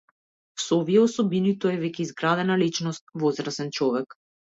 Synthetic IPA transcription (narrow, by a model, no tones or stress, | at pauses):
sɔviɛɔsɔbinit̪ɔɛvɛcʲɛizɡɾad̪ɛnalit͡ʃnɔst̪̚vɔzɾasɛnt͡ʃɔvɛk